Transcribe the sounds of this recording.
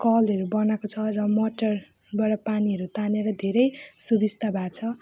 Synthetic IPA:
kʌlʌɾubʌnakot͡sʰʌrʌmoʈʌr | baʈʌpaniɦʌɾut̪aneɾʌd̪ʱeɾʌjsubist̪ʰabʱat͡sʰʌ

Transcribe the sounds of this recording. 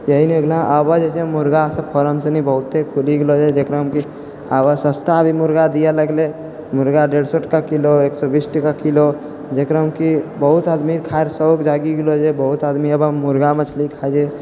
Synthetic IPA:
jəɦineoɡlãʔəbəd͡ʒet͡ʃemuɾɡasə̃pʰɔɾəmsenibəɦut̪ːekʰuliɡelod͡ʒɛd͡ʒekɾãɦəmki | abəsəst̪abʱimuɾɡad̪ijaləɡle | muɾɡaɖeɽsɔʈəkakiloeksɔbisʈəkakilo | d͡ʒekɾəɦəmkibəɦut̪ad̪miɾkʰaeɾsəbkd͡ʒaɡiɡelod͡ʒɛbəɦut̪ad̪miəbamuɾɡamet͡ʃʰəlikʰad͡ʒe

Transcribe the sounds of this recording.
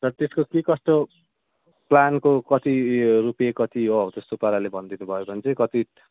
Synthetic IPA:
t̪ʌt̪eskokekʌst̪o | plankokʌt̪iɾupijakʌt̪iɦoɦt̪est̪opʌɾalebʱʌnd̪inubʱʌjobʌnit͡sʌĩkʌt̪i

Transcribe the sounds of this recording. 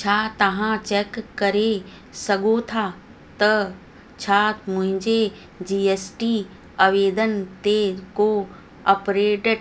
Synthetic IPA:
t͡ɕʰaːt̪ɐʋãt͡ɕeːkːɐɾe | sɐɡot̪ʰa | t̪ɐ | t͡ɕʰaːmʊ̃ɦɪ̃ɲd͡ʑe | d͡ʑieːsʈi | ɐʋeːd̪ənt̪eko | ɐpɾeːʈ

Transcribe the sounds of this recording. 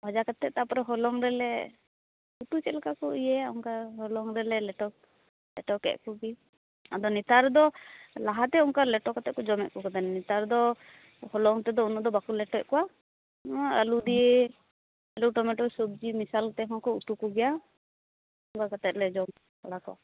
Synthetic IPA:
bʱad͡ʒakat̪ɛt̪̚t̪apɔɾɔɦɔlɔŋɾɛlɛ | uʈut͡ʃɛlkakɔijɛauŋkaɦɔlɔŋɾɛlɛlɛʈɔ | lɛ̰ʈɔkɛ̰ʔkuɡi | ad̪ɔnit̪aɾd̪ɔlaɦat̪ɛuŋkalɛʈɔkat̪ɛʔ̚kɔd͡ʒɔmɛʔ̚kɔkad̪anɛnit̪aɾd̪ɔ | hɔlɔŋt̪ɛd̪ɔunɔʔd̪ɔbakulɛʈɛʔkɔã | a̰lud̪ije | aluʈɔmɛʈɔsobd͡ʒimisalt̪ɛɦɔ̃kɔuʈukɔɡɛja | ɔŋkakat̪ɛt̪̚lɛd͡ʒɔm | kɔɽakɔʔa̰

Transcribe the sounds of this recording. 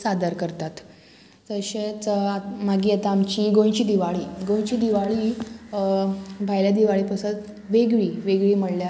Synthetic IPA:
sad̪əɾkəɾt̪at̪ | d͡zəɕet͡smaɡiːat̪aːmt͡ɕiːɡõjt͡ɕiːd̪iʋaɭiːɡõjt͡ɕiːd̪iʋaɭiː | bʱajljad̪iʋaɭiːpəsət̪ | ʋeɡɭiːʋeɡɭiːməɽlja

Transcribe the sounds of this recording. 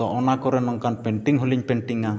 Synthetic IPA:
ɔʔɔnakɔɾɛnɔŋkanpɛnt̪iŋɦuliɲpɛnt̪iŋa

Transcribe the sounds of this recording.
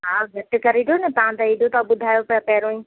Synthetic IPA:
ɦaːɡʱɐʈkɐɾiɾjonɐt̪ɐʋ̤ãt̪ãid̪ʱot̪aɓʊd̪ʱaːjoppɛːɾõĩː

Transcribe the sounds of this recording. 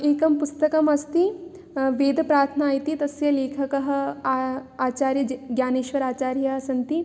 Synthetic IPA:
eːkɐmpust̪ɐkɐmɐst̪i | ʋeːd̪ʱɐpɾaːɾt̪ʰnaːjit̪it̪ɐsjɐleːkʰɐkɐɦɐ̆ | aːt͡ʃaːɾjɐɡjaːneːʃʋɐɾaːt͡ʃaːɾjɐsɐnt̪i

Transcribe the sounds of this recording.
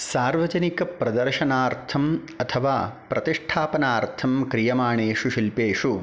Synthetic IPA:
saːɾʋɐd͡ʒɐnikɐpɾɐd̪ɐɾʃɐnaːɾt̪ʰɐm | ɐt̪ʰɐʋaːpɾɐt̪iʂʈʰaːpɐnaːɾt̪ʰɐmkɾijɐmaːɳeːʂuʃilpeːʂu

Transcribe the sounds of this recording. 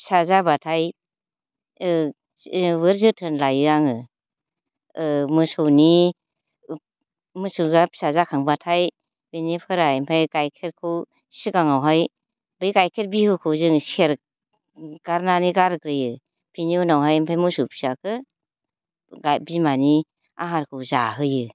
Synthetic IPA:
psazabatʰaj | bɯɾzɯtʰɯnlajɯaŋɯ | mɯsɯwni | mɯsɯɾɡapʰi̥sazakʰaŋbatʰaj | b̥enipʰɯɾajmpʰajkajkʰeɾkʰɯw | si̥siɡaŋawɦaj | bɯjɡajkʰeɾ̚bihɯkʰɯwzɯŋsieɾ | ɡ̥aɾnaniɡaɾkɾɯjɯ | pʰiniunawɦajmpʰajmɯsuwpʰi̥sakʰɯ | ɡabimani | a̰ɦaɾkʰɯwzaɦɯjɯ

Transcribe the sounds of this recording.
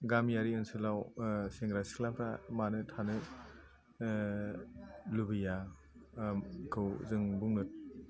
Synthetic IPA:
ɡamjaɾiɯnsɯlawseŋɡɾasi̥klapʰɾamanɯtʰanɯ | lubɯja | kʰɯwzɯŋbuŋnɯt̚

